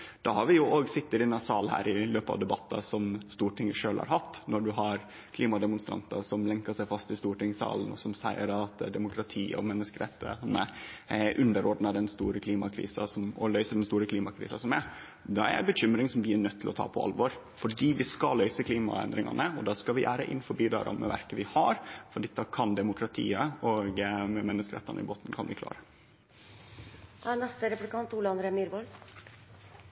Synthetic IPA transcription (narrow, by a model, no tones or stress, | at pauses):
d̪̥ɑhɑɾʋɪjʊʔoːɡsɪt̪ːɪd̪ɪnɑsɑːlhæ̰ːɾɪløːpəɑ̰ʋd̪ɛbɑt̪ːɑ̰sɔmst̪uːʈʰɪŋːəʂøːlhɑ̰ɾhɑt̪ːnɔɖʉɦɑɾ | kʰliːmɑd̪ɛmʊnst̪ɾɑ̰nt̪ɑsɔmlɛŋkəʂæɪfɑst̪ɪst̪uːʈɪŋːsɑ̰ːlən̩ɔ̰sɔmsæɪəɾɑt̪d̪ɛmʊkʰɾɑt̪ʰiːɔ̰mɛnːəskəɾɛt̪ːə̰hɑnːə̰ʔʉnd̪əɾɔɖnɑd̪ɛnst̪uːɾəkʰliːmɑkʰɾḭːsɑsɔmɔlœʏsəd̪ɛnst̪uːɾəkʰliːmɑkʰɾḭːsɑsɔmæɾ | d̪ɑæ̰ɾæ̰bəɕʏmɾɪŋsɔmʋɪænœt̪ʰːɪlɔt̪ʰɑ̰ːpʰɔɑ̰lʋɔɾ | fɔɖiːʋɪskɑlœʏsəkʰliːmɑ̰ɛ̰nd̪ɾɪŋɑ̰nəɔd̪ɑskɑʋɪʔæ̰ːɾə̰ʔɪ̰nːfɔɾbiːd̪ɑ̰ɾɑ̰mɛ̰ʋæ̰ɾkəʋɪhɑɾfɔɖɛt̪ːɑkʰɑnd̪ɛmʊkʰɾɑt̪ʰḭːəɔɡmɛmɛnːəskəɾɛt̪ːɑnəɪ̰boːt̪nkʰɑnʋɪklɑ̰ːɾə | nɛst̪əɾɛplkʰɑnt̪uːlɑnɾɛmyɾbɔl